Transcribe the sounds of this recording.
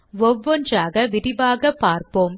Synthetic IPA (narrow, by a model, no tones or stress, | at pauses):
ʋɔʋːɔndraːɣɐʋɪɾɪbaːɣɐpːaːɾpoːm